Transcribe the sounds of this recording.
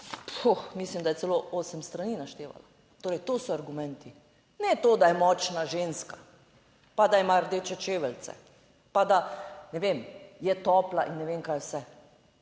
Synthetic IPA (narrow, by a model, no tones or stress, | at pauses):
puxmislimd̪ajɛsɛloʔoːsɛmst̪ɾaniːnaʃt̪eːʋa̰la | t̪oːɾɛjt̪oːsɔaɾɡumɛnt̪i | nɛt̪oːd̪ajɛmɔːt͡ʃnaʒeːnska | pad̪aimaɾd̪eːt͡ʃɛt͡ʃeːʋɛlt̪sɛ̰ | pad̪anɛʋemjɛt̪ɔːplaʔinːɛʋeːŋkajwsɛ